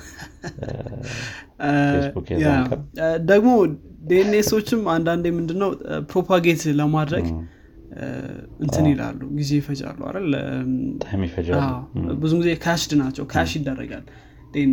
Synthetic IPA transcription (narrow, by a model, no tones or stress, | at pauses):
sbukeja | d̪əɡmo̞d̪enːeso̞t͡ʃːɪmand̪and̪emɨnd̪ɨnːəwpɾo̞pʰaɡe̞t̪ləmad̪ɾəɡ | ʔɨnt̪ʰɨnila̰lːṵɡize̞jɪfəd͡ʒa̰lːua̰lalt̪ʼmjifəd͡ʒawbɨzuɡizekʰəjaʃd̪ɨnat͡ʃːɛwkʰəjaʃɪd̪ːərːə̰ɡa̰l | d̪̥en